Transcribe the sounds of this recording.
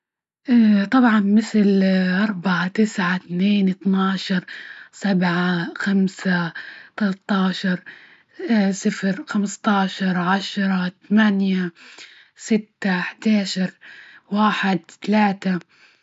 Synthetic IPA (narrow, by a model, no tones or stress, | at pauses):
ʔt̪ˤɑbʕɑnmɪθlʔɑɾˤbaʕat̪ɪsʕat̪neːnʔɨt̪nɑːʃɑɾˤsabʕaxamsat̪alaɑt̪ˤːɑːʃɑɾˤ | sɪfɾxamst̪ˤɑːʃɑɾˤʕaʃɾˤɑt̪amanja | sɪt̪ːaħd̪aːʃɑɾˤwaːħɪd̪t̪alaːt̪a